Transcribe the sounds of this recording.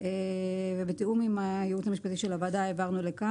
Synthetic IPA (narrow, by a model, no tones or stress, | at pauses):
evebet̪iumimajeuthamiʃpat̪iʃelavad̪aevaʁnule̞ka